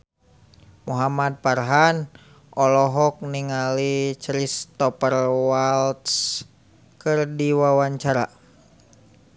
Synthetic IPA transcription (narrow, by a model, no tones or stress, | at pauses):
muɦamad̪̚parɦan | ʔɔlɔɦɔk̚niŋalit͡ʃɾist̪ɔpərwalt̪s | kɨrdiwawaɲt͡ʃaɾa̰